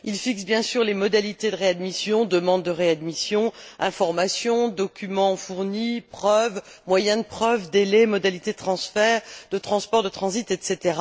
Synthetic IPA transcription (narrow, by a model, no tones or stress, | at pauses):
ilfiksbjɛ̃syʁlemɔd̪alit̪ed̪əʁead̪misjɔ̃d̪əmɑ̃d̪ːəʁead̪misjɔ̃ɛ̃fɔʁmasjɔ̃d̪ɔkʲʰymɑ̃fuʁnipχœv | mwajɛ̃d̪əpχœvd̪elɛmɔd̪alit̪ed̪ət̪χɑ̃sfɛʁd̪ət̪χɑ̃spɔʁd̪ət̪χɑ̃zit̪ɛt̪set̪eʁa